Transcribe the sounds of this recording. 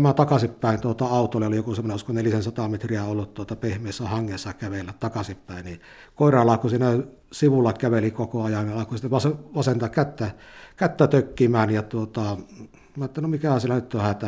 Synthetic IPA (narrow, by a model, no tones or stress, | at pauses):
mæt̪ɑkɑsippæˑeint̪uot̪ɑɑˑut̪ooliolijokusemːoneʔuskoneliæsensɑt̪ɑmet̪riæolːut̪t̪uot̪ɑpehmˑeˑːsːæhɑŋːesːɑkæʋelːæt̪t̪ɑkɑsippæˑenni | koˑerɑlːɑːkusiːnæ | siʋulːɑkæʋelikokoɑjɑnniɑˑlɑkosit̪ːeʋɑseʋɑsent̪ɑkkæt̪ːækæt̪ːæt̪økːimæːnjɑt̪uot̪ɑ | mɑːˑet̪ːælnomikæhæsielænyt̪tohæt̪æ